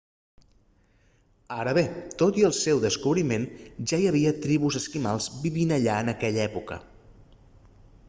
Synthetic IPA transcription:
aɾəβet̪ot̪iəlˠsɛwðəskuβɾimenʒajəβ̞iət̪ɾiβuzəskimalˠzbiβinəʎaənəkɛʎɛpukə̰

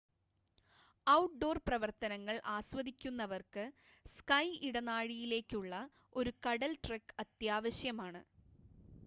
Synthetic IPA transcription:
ɐwʈ̚ɖo̞ːrprɐʋɐrt̪ɐnɐŋːɐɭʔaːɕwɐd̪ikʲːunːɐʋɐrkɨ | skɐjiɽɐnaːɻijile̞ːkʲːuɭːɐ | o̞ɾukɐɽɐlʈrɐkːɐt̪jaːʋɐɕjɐmaːɳɨ

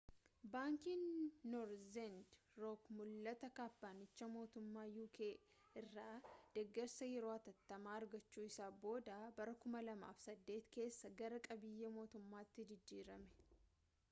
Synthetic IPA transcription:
baːŋkiːnːoɾzɛnd̪ | ɾoːkmʊlːɐt̪ɐkaːpːaːnɪt͡ʃːɐmo̞ːt̪ʊmːaːjuːkʰeː | ɪrːaːd̪̥ɛɡːɛɾsɐjɛɾoːɐt̪ɐt̪ːɐmaːɐɾɡɐt͡ʃːuːɪsaːbo̞ːd̪aːbɐɾɐkʊmɐlɐma̰ːfsɐd̪ːe̞ːt̪ke̞ːsːɐɡɐɾɐkʼɐbɪjːɐmo̞ːt̪ʊmːaːt̪ːɪd͡ʒɪd͡ʒːiːɾɐmɛ̥

